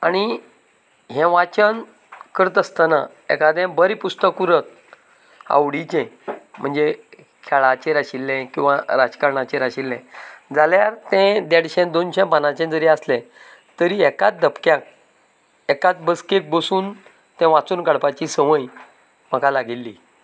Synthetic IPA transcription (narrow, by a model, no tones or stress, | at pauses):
aɽ̃i | ɦɛ̃ʋat͡ɕən | kəɾət̪əst̪ana̰ | ḛkad̪ɛ̃bəɾipust̪əkuɾət̪̚ | a̰wɽit͡ɕɛ̃m̤əɳd͡ze | kʰɛɭat͡ɕeɾaɕilːɛ̃kĩw̃ʋaɾad͡zkaɾɳat͡ɕeɾaɕilːɛ̃d͡zaljaɾt̪ɛ̃d̪eɽɕɛ̃d̪onɕɛ̃panãt͡ɕɛ̃d͡zəɾiaslɛ̃ | t̪əɾiːɛkat̪̚d̪əpkjãk̚ | ɛkat̪bəskek̚bəsuːn | t̪ɛ̃ʋat͡suːnkəɽpat͡ɕisəʋəj | m̤əkalaɡilːi